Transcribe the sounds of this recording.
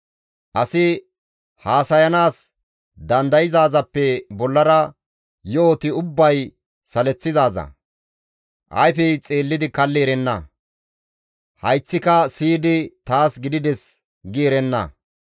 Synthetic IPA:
ʔɐsɪ | haːsɐjɐnaːs | d̪ɐnd̪ɐjɪzaːzɐpːɛbɔlːɐɾɐ | joːt̪ɪʊbːɐj | sɐlɛt͡sːɪzaːzɐ̰ | ʔɐ̰jfɛjt͡sʼeːlːɪd̪ɪkɐlːɛɛɾɛnːɐ̰ | hɐjt͡sːɪkɐsiːd̪ɪt̪aːsɡɪd̪ɪd̪ɛs | ɡiɾɛnːɐ̰

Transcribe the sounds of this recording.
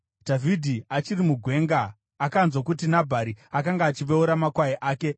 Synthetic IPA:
dʱavʱidʱiat͡ʃiɾimuɡʱwe̞ːŋɡaː | kanzwokutinabʱaɾiakaŋɡaːt͡ʃiʋeuɾamakwajiʔaːke̞

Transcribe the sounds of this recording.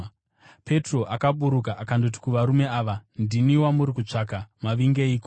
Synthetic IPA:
pe̞tro̞ʔakaɓuɾukaʔakando̞t̬i̥kuʋaɾume̞aːʋandiniwamuɾikut͡ʂaːkamaʋiŋɡe̞iːko

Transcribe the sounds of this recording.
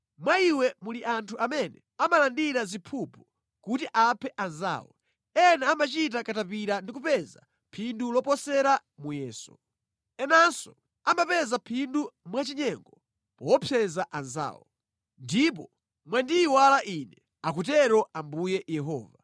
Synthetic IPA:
mwaiwɛmuliʔantʰuʔamɛnɛ | amalandiɾazipʰupu | kutiʔapʰɛʔanza̰ːwɔ̰ | ɛnaːmat͡ʃit̬akatap̬iɾandikupɛza̰ | pʰindulɔpɔsɛɾa | mujɛːsɔ | ɛnansɔ | amapɛzapʰindumwat͡ʃiɲɛŋɡɔ | pɔwɔpʰjɛzaʔanza̰ːwɔ̰ | ndip̬ɔ | mwandiːwalaʔinɛ | ak̬utɛɾɔʔambujɛjɛɦɔ̰ːva

